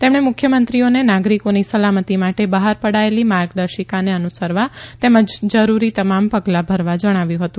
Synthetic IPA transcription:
t̪emɽ̃emʊkʰjəmənt̪ɾionenaɡɾikonisəlamət̪imaʈebəɦaɾpəɽaelimaɾɡd̪əɾʃikaneənusəɾʋat̪eməd͡ʒd͡ʒəɾuɾit̪əmampəɡlabʱəɾʋad͡ʒəɽ̃aʋjũɦət̪ũ

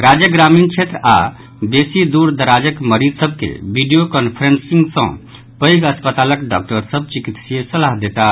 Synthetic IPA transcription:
ɾad͡ʒjəɡɾamint͡ʃʰet̪ɾa | d̪esid̪uɾd̪əɾad͡ʒəkməɾid͡ʒ̪səb̚ʱkḛbiɖijokɔnpʰəɾensiŋɡsə̰̃ | pəjɡəspət̪aləkɖɔ̰k̚ʈəɾsəb̚t͡ʃikit̪siesəlaɦd̪et̪a

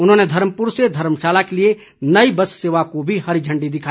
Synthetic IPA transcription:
ʊnɦõned̪ʱɐɾməpuɾsed̪ʱɐɾmʃaːlakelie | nəibəsseːʋakobʱihɐɾid͡ʒʱə̃ɳɖid̪ɪkʰaː

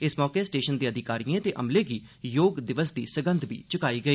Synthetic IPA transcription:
ɪsmɔːkeːsʈeːʃənd̪iːəd̪ɪkaːɾiːẽːt̪eːʔəmleːɡiː | joːɡd̪ɪʋəsd̪ḭːsəɡənd̪bḭːt͡ʃəkaːiːɡəiː

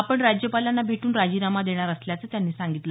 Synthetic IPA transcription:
apəɳɾad͡ʑjəpalanːabʱeʈuːnɾad͡ʑiːɾamad̪eɽ̃aɾəsljat͡səːt̪janːiːsaŋɡit̪lə

